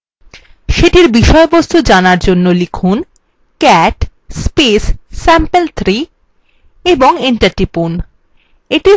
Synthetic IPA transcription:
ʃeʈiɾbiʃɔebost̪ud͡ʑanaɾd͡ʑonːolikʰun | kɛʈ | spesːɛmpelt̪ʰɾi | eboŋiɳʈaɾʈipun | eʈi

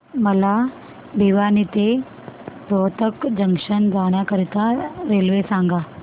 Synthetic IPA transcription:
məla | bʱiʋanit̪e | pɾoʋt̪əkd͡ʑəŋkʂənd͡zaɽ̃jakəɾit̪aɾelʋesãŋɡa

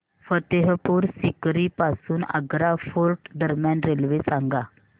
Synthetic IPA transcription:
fət̪eɦəpuːɾsikɾiːpasuːnə̰ɡɾafolʈd̪əɾmjanɾelʋesaŋɡa

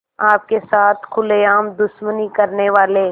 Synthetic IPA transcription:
aːp̚kesaːt̪ʰkʰʊleaːmd̪ʊʃmənikɐɾneʋaːleː

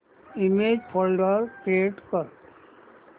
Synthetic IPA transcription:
imed͡ʒpʰɔlɖəɾkɾeːʈkəɾ

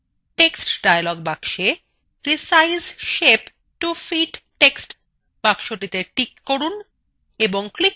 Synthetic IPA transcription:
ʈeksʈɖajalɔɡ̚bakʃe | ɾisajzʃep | ʈufiʈʈeksʈ | b̥akʃoʈit̪eʈikːoɾun | eboŋklik

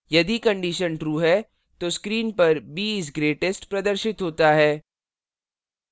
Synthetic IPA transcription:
jɐd̪ikɐ̃ɳɖiʃənʈɾuːɦɛ | t̪oːskɾiːnpɐɾbiːs̬ɡɾeːʈesʈpɾɐd̪əɾʃɪt̪ɦoːt̪aɦɛː

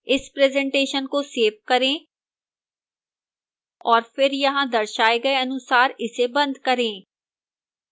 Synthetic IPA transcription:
ɪspɾeːzɛ̃ːɳʈeːʃənkoseːp̚kɐɾẽ | ɔːɾfɪɾjɐɦãd̪ɐɾʃaːeɡɐeɐnʊsaːɾɪsebɐ̃nd̪ʱkɐɾẽː

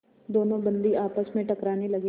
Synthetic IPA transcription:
d̪oːnõbɐ̃nd̪iaːpəsmẽʈɐkɾaːnelɐɡe

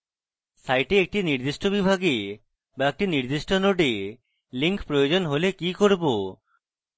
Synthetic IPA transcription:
sajʈeek̚ʈiniɾd̪iʃʈobibʱaɡe | baek̚ʈiniɾd̪iʃʈonoɖe | liŋkpɾojod͡ʑonɦolekikoɾbo

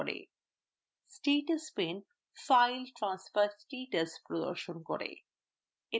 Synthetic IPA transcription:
ɾḛ | sʈeːʈəspẽn | faɪlʈɾãːnsfəɾsʈeːʈəspɾod̪ɔ̰ɾʃonkɔ̰ɾḛ | ɪ

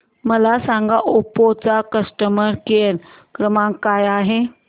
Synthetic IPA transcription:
məlasãŋɡaʔupot͡sakəsʈəməɾkeɾ | kɾəmãŋkːajaɦe

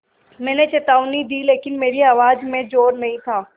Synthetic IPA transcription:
mɛ̃ːnet͡ʃɐt̪aːuʊ̃nid̪ileːkɪnmeːɾiaːʋaːd͡ʒmẽd͡ʒoːɾnɐɦĩt̪ʰaː

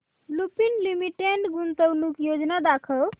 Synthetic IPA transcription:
lupinlimiʈeɳɖɡunt̪əwnukjod͡ʒnad̪akʰəl

